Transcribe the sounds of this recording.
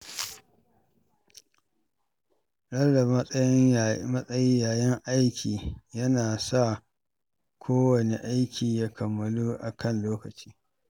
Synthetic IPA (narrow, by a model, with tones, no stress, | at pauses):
ɽɐ˦lda˨m˦jɪ˦mɐ˦sʼɐ˦jɪ˦jaː˨jɐ˦ŋʔa˦jkʲiː˨jɐ˦naː˨sa˦˨ | kʷʰoː˦wɐ˨ne˨ʔa˦jkʲʰiː˨jaː˦kʰɐ˨mːɐ˦luː˦ʔa˨kʰɐ˦˨nloː˦kɐ˨t͡ʃiː˦